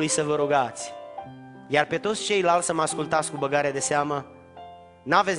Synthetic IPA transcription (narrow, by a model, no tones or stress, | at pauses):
ujsəvəɾuɡat̪sʲ | jarpe̞t̪o̞t̪sʲt͡ʃe̞jlalsəmaskult̪at̪sʲkubəɡaɾeead̪e̞seamə | naves